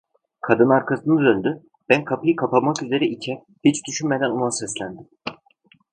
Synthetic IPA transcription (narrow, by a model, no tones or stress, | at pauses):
kʰad̪ɯnaɾkʰasɯnɯzønd̪y | b̥ænkʰapʰɯjɯkʰapamakyze̞ɾɛʔicʰɛ | hit͡ʃd̪yʃynme̞d̪ænonasɛslʲænd̪im